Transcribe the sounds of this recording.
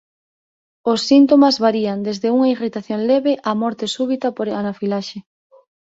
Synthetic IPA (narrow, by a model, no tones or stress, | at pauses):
osːint̪omazβaɾiand̪ezðeuŋɐirit̪aθjoŋleβeʔamɔɾt̪esuβ̞it̪ɐpoɾanafilaʃe